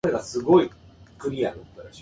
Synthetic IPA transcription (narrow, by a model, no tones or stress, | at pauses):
ɾeɡasɨɡo̞i | kɯ̟ɾʲia̰ɾɯt̪oɾaɕi